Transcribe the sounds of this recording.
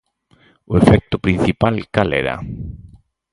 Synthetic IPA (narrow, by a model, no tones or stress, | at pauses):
ʊefɛk̚t̪ʊpɾin̟θipalkalɛ̰ɾa̰